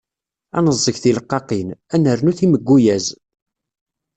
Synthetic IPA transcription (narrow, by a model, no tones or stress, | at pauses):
ɑ̰nəzˤːəçθiləqːɑqinænəɾnuθiməɡʷːujæz